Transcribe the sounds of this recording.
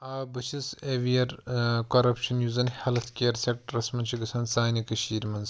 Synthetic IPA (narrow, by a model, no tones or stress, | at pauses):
aːbɨt͡ʃʰiseʋijɐɾkɐɾɐpʃɐnjuzɐnhɐlɐt̪ʰkʲiɐɾseʈɾɐsmɐnt͡ʃʰiɡɨsʰɐnsaːnʲikɐʃiːɾmɐnz